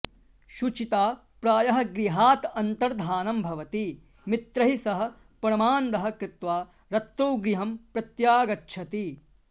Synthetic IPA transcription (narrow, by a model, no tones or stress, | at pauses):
ʃut͡ʃit̪aː | pɾaːjɐɦɐ̆ɡɾiɦaːt̪ɐnt̪ɐɾd̪ʱaːnɐmbʱɐʋɐt̪i | mit̪ɾɐɦisɐɦɐ̆ | pɐɾɐmaːnd̪ɐɦɐ̆kɾɪt̪ʋaː | ɾɐt̪ːoːɡɾiɦɐmpɾɐt̪jaːɡɐtːʃʰɐt̪i